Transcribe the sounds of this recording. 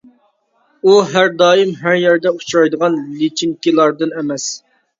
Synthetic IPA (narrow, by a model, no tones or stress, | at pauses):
uɦæɾd̪ɑːjɨmɦæɾjɛɾd̪ɛut͡ʃʰɾɑjd̪əʁɑnlit͡ʃʰiŋkʲilˠɑɾd̪ɨnɛmɛs